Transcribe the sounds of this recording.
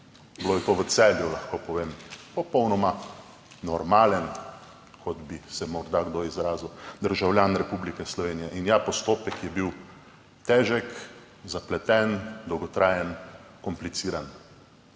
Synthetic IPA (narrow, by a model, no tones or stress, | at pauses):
bloːjɛt̪oʋət̪sɛljulaxkopɔʋeːmpɔpɔwnɔma | nɔɾmaːlɛn | kʰɔd̪bisɛmɔɾd̪aɡd̪oizɾaːziwd̪əɾʒawljaːnɾɛpublikɛslɔʋeːnijɛʔinjapɔst̪oːpɛkjɛbiw | t̪ɛːʒɛk | zaplɛt̪ɛnd̪ɔwɡɔt̪ɾaːjɛnkɔmplit̪siːɾan